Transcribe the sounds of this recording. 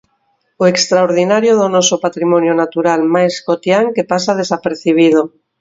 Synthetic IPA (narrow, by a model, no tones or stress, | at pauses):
oekst̪ɾaoɾðinaɾjoð̞onɔsopat̪ɾimonjonat̪uɾalmajskot̪jaŋkepasaðesapeɾθiβ̞ið̞o